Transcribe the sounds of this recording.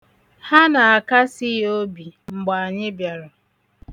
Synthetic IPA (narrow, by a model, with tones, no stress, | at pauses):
ha˦na˨a˨ka˦si˦o˦bi˨ŋ͡m̩˨ɡ͡ba˨a˨ɲɪ˦bja˨ɾʊ˨